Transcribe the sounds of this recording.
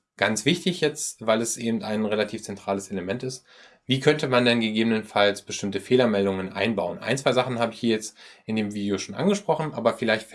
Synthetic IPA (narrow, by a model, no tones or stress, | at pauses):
ɡ̥ant͡sv̥ɪçtɪçjɛt͡stvaɪlɛsʔeːbm̩taɪnʁelatʰiːft͡sɛntʁ̥aːləsʔeləmɛntɪst | viːkʰœntəmandɛnɡəɡeːbənənfalsb̥əʃtɪmtəfeːlɐmɛldʊŋənʔa̰ɪnbaʊənʔa̰ɪnt͡sv̥aɪzaχn̩haːbəɪçhiːɐjɛt͡stʔɪndeːmviːdjoʃoːnʔa̰nɡəʃpʁ̥ɔχn̩ʔa̰ːbɐfɪlaɪçt